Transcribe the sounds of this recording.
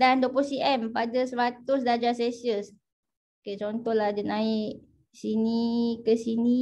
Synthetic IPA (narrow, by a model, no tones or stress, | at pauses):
dandopusiʔɛmpadasəɾat̪ʊsdad͡ʒasesiəs | oket͡ʃɔnt̪ɔlahd͡ʒənaɪʔ | sinikəsini